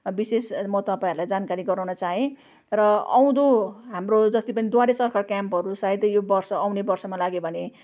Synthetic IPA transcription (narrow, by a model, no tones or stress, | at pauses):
bisesmʌt̪ʌpaĩɦʌɾulajd͡zankaɾiɡʌɾawnʌt͡saɦẽ | rʌʌ̰w̃d̪oɦamrod͡zʌt̪ipʌnid̪waɾesʌrkʰʌrkjampɦʌɾusaid̪jobʌrsʌːwnebʌrsʌmalaɡjobʱʌne